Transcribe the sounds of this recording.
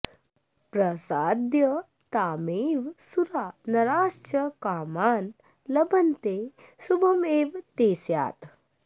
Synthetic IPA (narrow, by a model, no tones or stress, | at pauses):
pɾɐsaːd̪jɐ | t̪aːmeːʋsuɾaːnɐɾaːst͡ʃɐkaːmaːn | lɐbɐnt̪e | subʱɐmeːʋt̪eːsja̰ːt̪